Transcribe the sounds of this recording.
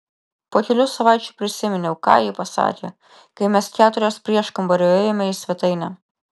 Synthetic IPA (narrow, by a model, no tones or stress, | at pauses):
poːkʲɛlʲʊsɐʋɑˑɪt͡ʃʲʊpʲɾʲɪsʲɪmʲɛnʲɛʊkɑ̰ːjiːpɐsɑ̰ːkʲeː | kɐɪmʲɛskʲæːt̪ʊɾʲoːspʲɾʲiɛʃkɐmbɐɾʲoːeːjoːmʲɛiːsʲʋʲɛt̪ɐɪnʲɛ